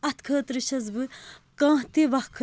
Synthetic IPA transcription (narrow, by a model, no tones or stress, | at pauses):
ɐt̪kʰəːt̪ɾiʃɐzbɨkãːɦt̪iʋɐkʰ